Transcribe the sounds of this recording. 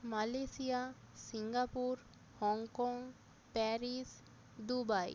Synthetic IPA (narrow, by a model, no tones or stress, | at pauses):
malesia | siŋɡapuɾ | hɔŋkɔŋ | pɛɾis | d̪ubaj